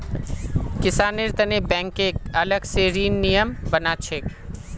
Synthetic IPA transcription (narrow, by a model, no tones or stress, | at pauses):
kɪsaːnɪɾt̪ənebɛ̃ːŋkeːkɐləɡseːɾiːnːijəmbənat͡ʃʰeːk